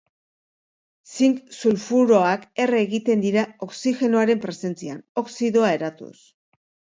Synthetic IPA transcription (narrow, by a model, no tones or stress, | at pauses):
siŋksulfuɾo̞ake̞reːɣit̪e̞nd̪iɾao̞ksixe̞noaɾe̞mpɾe̞se̞nt͡siano̞ksiðo̞ae̞ɾat̪ṵs